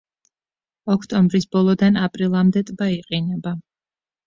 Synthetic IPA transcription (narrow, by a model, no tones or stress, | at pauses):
ɔkʰt̪ʼɔmbɾisbɔlˠɔd̪anapʼɾilˠamd̪ɛt̪ʼbaiqʼinɛba